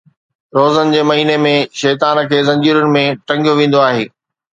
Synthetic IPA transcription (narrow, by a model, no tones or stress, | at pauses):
ɾoːzənɪ̆d͡ʑeːmɐɦiːnemẽʃɛːt̪aːnə̆kʰeːzɐ̃ɲd͡ʑiːɾənɪ̆mẽʈɐ̃ŋɡijoʋẽːnd̪oaːɦeː